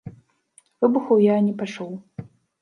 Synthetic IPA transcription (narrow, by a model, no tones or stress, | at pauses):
vɨbuxɐwjanʲɛpat͡ʂɔw